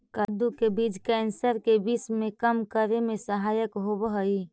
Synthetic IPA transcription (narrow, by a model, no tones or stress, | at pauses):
kəd̪ukebiːd͡ʒkɛːnsəɾkebiːsmẽkəmkəɾemẽsəɦaːjəkɦobəɦəi